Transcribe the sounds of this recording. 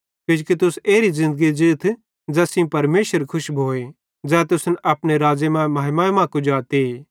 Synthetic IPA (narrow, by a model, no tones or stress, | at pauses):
kɪd͡ʒokit̪ʊseːɾizɪ̃nd̪əɡid͡ʒɪt̪ʰ | d͡ʒɛsĩpɐɾmeːʃəɾkʰʊʃbʱoːe | d͡zɛːt̪̬ʊsənʔɐpñeɾaːd͡ʒemãmaːɦɪmãmãkud͡ʒaːt̪e